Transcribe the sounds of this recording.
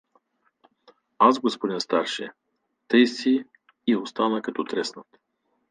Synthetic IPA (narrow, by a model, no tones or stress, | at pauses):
asɡospod̪inst̪aɾʃɛ̰ | t̪əjsiː | ost̪anəkɐt̪ɔt̪ɾɛsnət̪